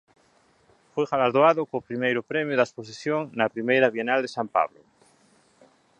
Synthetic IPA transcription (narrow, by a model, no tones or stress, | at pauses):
fojɣalaɾðoaðʊkoːpɾimejɾʊpɾɛmjʊðaespos̬iθjoŋnɐpɾimejɾaβjenald̪esampa̰βlo̰